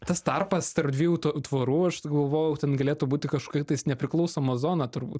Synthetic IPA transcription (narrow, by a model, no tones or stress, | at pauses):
t̪ɐst̪ɐrpɐst̪ɐrpd̪ʲʋʲiːjuːt̪ːt̪ʋoːɾuːɐʃɡɐlˠʋoːjɛʊt̪ʲɛnɡɐlʲeːt̪ubuːt̪ʲɪkɐʃko̥kɐɪt̪ɐɪsnʲɛpʲɾʲɪklˠɐʊsoːmɐzoːnɐt̪ʊɾbuːt̪